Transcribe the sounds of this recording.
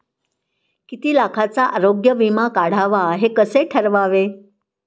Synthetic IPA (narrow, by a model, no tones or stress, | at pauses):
kit̪iːlakʰat͡saʔaɾoɡjəʋimakaɽ̤aʋaɦekəseʈʰəɾʋaʋe